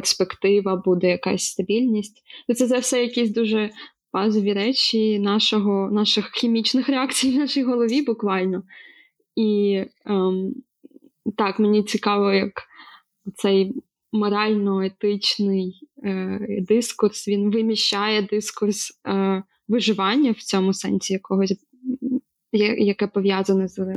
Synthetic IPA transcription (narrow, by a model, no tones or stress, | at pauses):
persʲpekt̪ɪʋɐbud̪ɛjɐkɑ̰sʲst̪ɐbʲilʲnʲisʲtʲt̪ɔt̪sɛt̪sɛwsɛjɐkʲisʲd̪uʒɛ | bɑzɔʋʲiɾɛt͡ʃʲinɑʃɔɦɔnɑʃɪxxʲimʲit͡ʃnɪxɾeɑkt͡sʲijnɑʃijɦɔlˠɔʋʲibʊkʋɑlʲnɔ | i | t̪ɑkmenʲit͡sʲikɑʋɔjɐk | ɔt̪sɛj | mɔɾɑlʲnɔet̪ɪt͡ʃnɪj | d̪ɪskʊrsʋʲinʋɪmʲiʃt͡ʃajɛd̪ɪskʊrs | ʋɪʒɪʋɑnʲːɐwt͡sʲɔmʊsɛnʲsʲijɐkɔɦɔsʲ | jjɐkɛpɔʋʲjɑzɐnɛz